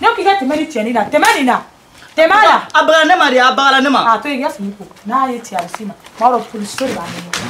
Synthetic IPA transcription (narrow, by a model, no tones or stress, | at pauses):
neokikɛtɛmɛnĩtiɛnĩnatɛmɛnĩna | tɛmajaabaɡaanemaɾeabaɡalanemaatojekasimĩkonajetiaɾisimãmaɾɔkolisoɾebaninĩ